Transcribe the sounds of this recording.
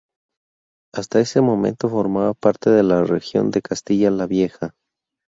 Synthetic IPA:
ast̪ae̞se̞mo̞mẽ̞̰nt̪o̞fo̞ɾmaβapaɾt̪e̞ðe̞larexjo̞̰nd̪e̞kast̪iʝalaβje̞xa

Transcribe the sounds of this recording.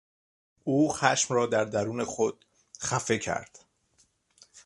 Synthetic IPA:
ʔuːxæʃmɾɒːd̪æɾd̪æɾuːne̞xod̪̥ | xæfe̞cʰæ̰ɾd̪̥

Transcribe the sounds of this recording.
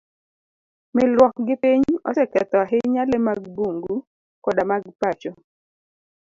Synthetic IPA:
mɪlwɔkɡɪpiɲɔ̰sɛkɛt̪ɔaɦeɲalemaɡbuŋɡu | kɔdamaɡpat͡ʃɔ

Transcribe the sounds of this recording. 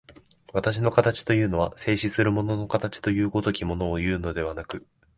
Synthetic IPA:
βat̪aɕ̬ino̞kat̪at͡ɕi̥t̪o̞jɯ̟ːno̞βase̞ːɕisɨɾɯ̟mo̞no̞no̞kat̪at͡ɕi̥t̪o̞jɯ̟ːɡo̞t̪o̞kʲimo̞no̞ːjɯ̟ːno̞d̪e̞β̞anakɯ̟

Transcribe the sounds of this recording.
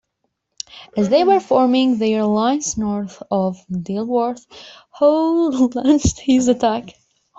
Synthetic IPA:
ɨzðeɪwə˞fɔɹmɪ̃ŋðəɹlãɪ̃nznɔɹθɔvdilˠwɔɹθ | hoʊldlæ̃nt͡ʃthɪzɨtʰæk

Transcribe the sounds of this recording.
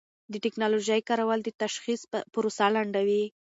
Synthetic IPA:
d̪əʈɪknɑloʒəjkɑɾawald̪ət̪aʃxispʊɾosalaɳɖawi

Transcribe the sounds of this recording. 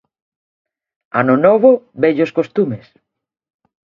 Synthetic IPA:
anʊnɔβʊbeʎoskost̪umes

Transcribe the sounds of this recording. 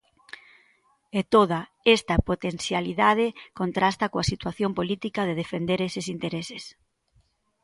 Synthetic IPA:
et̪oðɐ | est̪ɐpot̪en̟θjaliðað̞ɪkont̪ɾast̪ɐkoɐsit̪waθjompolit̪ikɐðeðefend̪eɾesesint̪eɾeses

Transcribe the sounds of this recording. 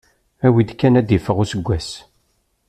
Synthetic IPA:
æwid̪kːænæd̪ifəʁʊsəɡʷːæs

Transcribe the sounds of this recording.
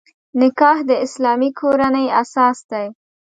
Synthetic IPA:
nɪkɑhd̪əɪslɑmikʰoɾanəjasɑsd̪aj

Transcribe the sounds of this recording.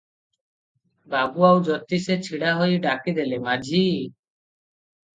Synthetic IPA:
baɡuawd͡ʒɔt̪iset͡ʃʰiɽaɦojɖakid̪elemad͡ʒʱi

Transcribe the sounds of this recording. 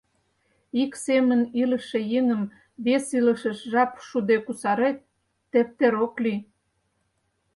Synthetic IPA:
iksemənilə̆ʃejəŋəm | βesilə̆ʃə̆ʃʒɑpʃud̪ekusɑɾet̪̚ː | ep̚t̪eɾokly

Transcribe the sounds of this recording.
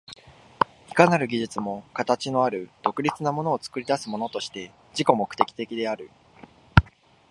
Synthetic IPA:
i̥kanaɾɯ̟ɡʲiʑit͡sɨmo̞kat̪at͡ɕino̞aɾɯ̟d̪̥o̞kɯ̟ɾʲit͡sɨnamo̞no̞ːt͡sɨ̥kɯ̟ɾʲid̪asɨmo̞no̞t̪o̞ɕi̥t̪e̞ | ʑiko̞mo̞kɯ̟̥t̪e̞kʲi̥t̪e̞kʲid̪e̞aɾɯ̟

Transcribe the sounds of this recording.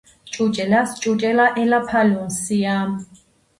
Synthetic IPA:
t͡ʃʼut͡ʃʼɛlast͡ʃʼut͡ʃʼɛlaʔɛlapʰalɔnsiam

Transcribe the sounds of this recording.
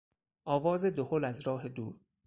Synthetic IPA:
ʔɒːvɒːze̞d̪oholæzɾɒːɦed̪uːɾ

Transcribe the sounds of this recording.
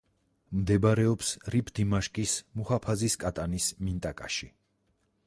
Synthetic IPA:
md̪ɛbaɾɛɔpsɾipʰd̪̥imaʃkʼismuhapʰaziskʼat̪ʼanismint̪ʼakʼaʃi

